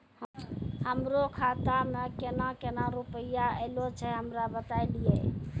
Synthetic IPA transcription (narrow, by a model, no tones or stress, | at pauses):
həmɾokʰat̪amekenakenaɾupəjaelot͡ʃʰɛɦəmɾabət̪ailije